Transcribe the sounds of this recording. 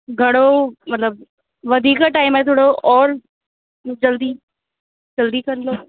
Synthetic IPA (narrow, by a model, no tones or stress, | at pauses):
ɡʱɐɽ̃omɐt̪ləb̚ | ʋɐd̪ʱiːkaʈaːɪmɛ̃t̪ʰoːɽoʔɔːɾ | d͡ʒɐld̪i | d͡ʒɐld̪ikɐɾlo